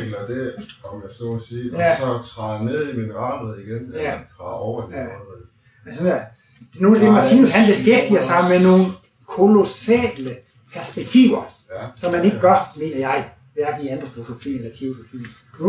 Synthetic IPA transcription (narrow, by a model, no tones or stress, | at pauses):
ɡ̥n̩ɐd̥e̝ɒmjæsɔsiːsɒt͡sʰʁɑ̈ːne̝ð̞̰ˠiminʁɑ̈ːdeð̩ˠiɡ̥enææt͡sʰʁɑ̰̈ːɒʊɐd̥iɑ̥ːeð | mensɒnæ̥ | noːd̥emɑ̈t͡sʰiːnushænb̥e̝sɡ̥efd̥iɐsɑ̈ɪmeno̝ːn̩ | kʰo̝lo̝sɛ̰ːlə | pʰæɐsb̥eɡ̥̚t͡sʰḭːʊ̰ɐ | sɒ̽mːæne̝ɡ̥əɡ̥ɒɐd̥me̝̰ːnɐjɑ̈ɪ | ʋæɐɡ̥n̩iæn̥ʁopʰo̝so̝fḭːelɐt͡sʰeosofḭː